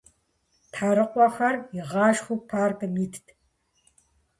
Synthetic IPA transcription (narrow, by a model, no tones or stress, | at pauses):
tħaːɾɨqʷʼɔxɐrɪʁɑːʃxʷupʰaːrkɨmiːtʰtʰ